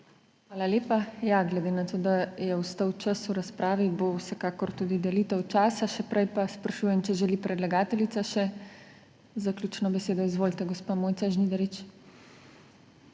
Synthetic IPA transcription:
xʋaːlaleːpajaɡlɛd̪eːnat̪oːd̪ajɛwst̪əwt͡ʃəsuɾaspɾʔaːʋibowsɛkaːkɔɾt̪uːd̪id̪ɛliːt̪əwt͡ʃaːsaʃɛpɾɛjpaspɾaʃuːjɛmt͡ʃɛʒɛlipɾɛd̪laɡaːt̪ɛlit̪aʃɛ | zaklʲjuːt͡ʃnɔbɛseːd̪ɔizʋoːlt̪ɛɡɔspamoːjt̪aʒnid̪ɛɾit͡ʃ

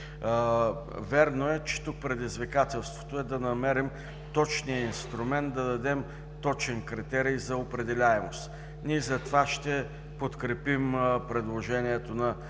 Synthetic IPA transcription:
vɛɾnoɛt͡ʃɛ̥t̪uk̚pɾɛd̪izvikat̪ɛlˠst̪vo̥t̪oɛd̪ɐnɐmɛɾim | t̪ɔt͡ʃnijəinst̪ɾʊmɛnt̪̚d̪ɐd̪ɐd̪ɛm | t̪ɔt͡ʃɛnkɾit̪ɛɾijzɐopɾɛd̪ɛlʲaɛmost̪ | niɛzɐt̪vaʃt̪ɛ | pot̪kɾɛpimpɾɛd̪lˠoʒɛniɛt̪onɐ

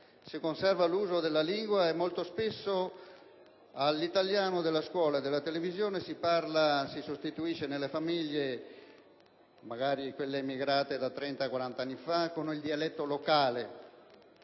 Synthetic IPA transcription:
sikonsɛrvaluːzod̪elːaliŋɡwaɛmːolt̪ospesːo | alːit̪aljaːnod̪elːaskwɔːlad̪elːat̪elevizjoːnesiparlasisost̪it̪uiʃːenelːefamiʎːe | maɣaːɾikwelːeimiɡɾaːt̪ed̪at̪ːɾɛnt̪akwaɾant̪aanːifakːonild̪ialɛt̪ːolokaːle

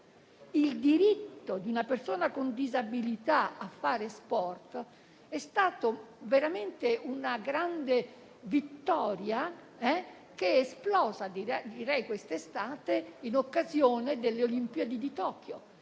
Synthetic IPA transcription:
ild̪iɾit̪ːod̪iunapersoːnakond̪izabilit̪aafːaːɾespɔrt̪ | ɛst̪aːt̪oveɾament̪eʔunaɡɾand̪e | vit̪ːɔːɾja | ɛ | keesplɔːzad̪iɛd̪iɾɛjkwest̪est̪aːt̪einokːazjoːned̪elːeolimpied̪id̪it̪ɔːkjo

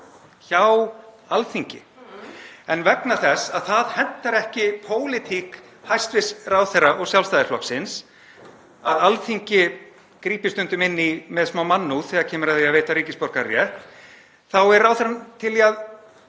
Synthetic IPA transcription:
çaw | alθiɲcɪ̰ | ɛnvɛknaθɛsaðθaðhɛn̥t̪aɾɛhcɪpʰoːwlɪt̪ʰik | hajst̪vɪsraːwθerːaʔɔɣsjawlst̪aːðɪflɔ̰ksɪns | aðalθiɲcɪ | kɾiːpɪst̪ʏnt̪ʏmɪnːimɛðsmawmanːuθɛːɣaɾcʰɛːmʏɾaðɪaðveːjt̪aɾiːcɪspɔɾ̥kaɾjɛ | θawɛɾrːaːwθɛɾant̪ʰɪliað

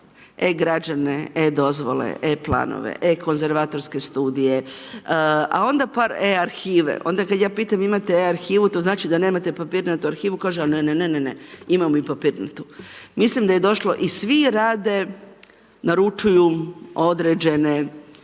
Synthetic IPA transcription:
eɡɾad͡ʒaneed̪o̞zʋo̞̰lḛʔeplˠa̰ːno̰ʋḛʔeko̞nze̞ɾʋaːt̪o̞ɾske̞st̪uːd̪ije̞ | a̰o̞nd̪apaːɾeaɾxiːʋḛʔo̞̰nd̪akad̪jaːpiːt̪amimat̪eaɾxiːʋut̪o̞znaːt͡ʃid̪ane̞ːmat̪epapiːɾnat̪uaɾxiːʋukaːʒeaneneneneneimamoipapiːɾna̰t̪umislimd̪aje̞d̪o̞ʃlo̞ʔisʋiɾaːd̪e̞ | naɾut͡ʃujuo̞d̪ɾed͡ʒe̞ne

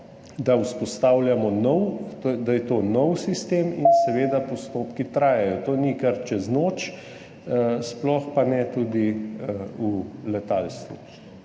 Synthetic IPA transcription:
d̪auspɔst̪aːwljamɔnɔwd̪ajɛt̪oːnɔwsist̪eːmḭnsɛʋeːd̪apɔst̪oːpkit̪ɾaːjɛjɔt̪oːnikɐɾt͡ʃɛznoːt͡ʃ | splɔxpanɛt̪ud̪i | ulɛt̪alst̪ʋṵ

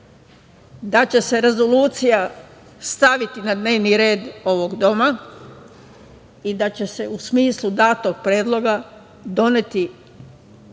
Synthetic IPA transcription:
d̪at͡ɕe̞se̞ɾe̞zo̞luːt̪sija | st̪aʋit̪inad̪ne̞ːʋniɾe̞ːd̪o̞ʋo̞ɡd̪o̞ma | id̪at͡ɕe̞se̞usmiːslˠud̪aːt̪oɡ̚pɾjeːd̪lˠo̞ɡa | d̪o̞net̪i

